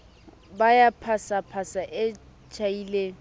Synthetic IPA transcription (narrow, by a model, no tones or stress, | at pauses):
bajapʰasapʰasaʔɪ | t͡ʃʰaiːle